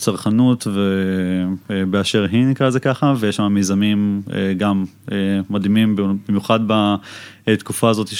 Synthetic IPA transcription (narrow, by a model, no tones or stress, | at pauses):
t͡saʁχanut̪ve | beaʃeʁɦinikʁaezekaχavejeʃamamezamimḛɡam | eːad̪imimbbimjuχadba | et̪kufaːzo̞tiʃ